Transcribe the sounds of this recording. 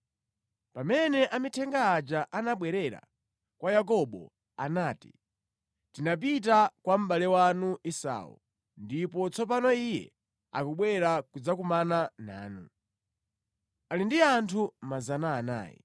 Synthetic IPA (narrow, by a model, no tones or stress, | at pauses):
pamɛnɛʔamitʰɛŋɡaːd͡ʒaʔanaɓwɛɾɛɾa̰ | kwajak̬ɔɓɔ̰ | a̰naːti̥̰ | tinap̬it̬akwam̩ɓalɛwanuʔisa̰ːṵ | ndipɔt͡sɔp̬anɔijɛ̰ | a̰kuɓwɛɾakud͡zakumanana̰ːnu | alindiantʰumazanaːna̰ːjḭ